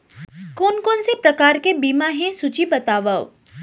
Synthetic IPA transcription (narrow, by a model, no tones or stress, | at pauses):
koːnkoːnsepɾɐkaːɾkebiːmãɦɛ̃sʊt͡ʃibɐt̪aːʋao̰